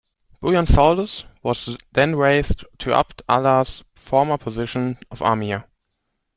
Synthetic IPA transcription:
b̥ujãnsɔləswɔzðɛ̃nɹeɪsttʰːuʔa̰ptʰa̰lasfɔɹmə˞pʰɔzɪʃə̃nʔɔva̰ːmia

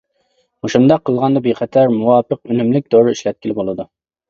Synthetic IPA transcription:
moʃumd̪ɑqʰːəlˠʁɑnd̪ɑbeqʰɛt̪ʰɛɾmuwɑːpəqynymlɪk̚ʲd̪oɾɨiʃlɛt̪̚kʲʰilɪbolˠɨd̪u

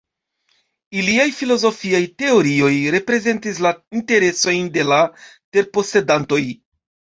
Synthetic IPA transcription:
iliajfilo̞zo̞fiajte̞o̞ɾio̞jɾe̞pɾe̞ze̞ntislainte̞ɾe̞so̞jnde̞late̞ɾpo̞se̞danto̞j

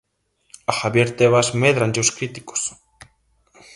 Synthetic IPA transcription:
axaβjeɾt̪eβ̞azmeðɾand͡ʒoskɾit̪i̥ko̥s

